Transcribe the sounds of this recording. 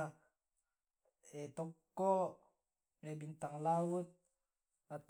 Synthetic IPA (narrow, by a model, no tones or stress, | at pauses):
ɛt̪ɔkːɔ | ebint̪aŋlaut̪̚ | at̪